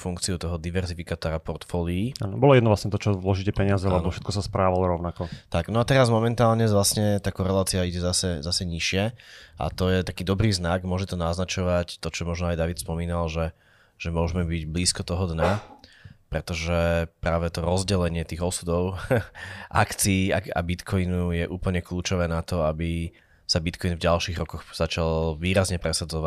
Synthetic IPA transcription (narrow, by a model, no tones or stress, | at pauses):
fuŋkt͡siut̪ɔɦɔd̪iʋɛɾzifikaːt̪ɔɾapɔɾt̪fɔːliia̰ːnɔbɔlɔjɛd̪nɔʋlasɲɛt̪ɔt͡ʃɔzlɔʒicɛpɛɲɪazɛlɛbɔfʃɛt̪kɔsaspɾaːʋalɔɾɔʊnakɔt̪aɡnɔat̪ɛɾazmɔmɛnt̪aːlɲɛʋlasɲɛt̪akɔɾɛlaːt͡siaiɟɛzasɛzasɛɲiʃɪɛʔa̰t̪ɔjɛt̪akiːd̪ɔbɾiːznaɡmʊɔʒɛt̪ɔnaznat͡ʃɔʋact̪ɔt͡ʃɔmɔʒnɔajd̪aʋit̪spɔmiːnalʒɛ | ʒ̥ɛmʊɔʒmɛbiɟbliːskɔt̪ɔɦɔd̪ɲa | pɾɛt̪ɔʒɛpɾaːʋɛt̪ɔɾɔzɟɛlɛɲɪɛt̪iːɣɔsud̪ɔʊ | ʔa̰kt͡siːa̰a̰bit̪kʰɔinujɛʔuːpl̩ɲɛkluːt͡ʃɔʋɛːnat̪ɔabi | sabit̪kʰɔinvɟalʃiːɣɾɔkɔxz̥at͡ʃalʋiːɾazɲɛpɾɛsad͡zɔʋa